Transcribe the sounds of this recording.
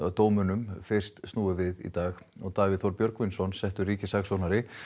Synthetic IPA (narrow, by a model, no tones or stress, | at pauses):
t̪oːwmʏnʏmfɪr̥st̪st̪nuːʏvɪðḭt̪aːx | ɔɣt̪aːvɪðθɔwɾpjœɾkvɪnsɔnsɛht̪ʏɾriːcɪsaksonaɾɪ